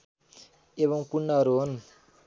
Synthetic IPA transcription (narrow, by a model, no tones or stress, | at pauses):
eβʌŋpuɳːʌɦʌɾuɦon